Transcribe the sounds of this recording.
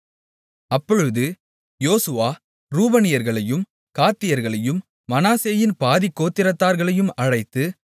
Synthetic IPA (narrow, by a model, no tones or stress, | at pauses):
ɐpːɔɻɯðɯ | joːsɯʋaː | ɾuːbɐnɪjɐɾɣɐɭɐjɯm | kaːt̪ːɪjɐɾɣɐɭɐjɯmː | ɐnaːseːjɪnpaːðɪkːoːt̪ːɪɾɐt̪ːaːɾɣɐɭɐjɯmɐɻɐɪt̪ːɯ